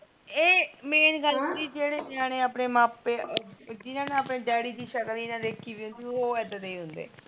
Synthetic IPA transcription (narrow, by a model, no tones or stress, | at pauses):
eːmeːnɡəlɦʊnd̪iːd͡ʒeːɽeːd͡ʒãːneːəpneːmaːpːeːd͡ʒɪnãːneːəpneːɖɛːɽiːd̪iːʃəkəlinãɾeːkʰːiːʋiːɦʊ̃nd̪iːoːɛːd̪ad̪eiːɦʊ̃nd̪ḛː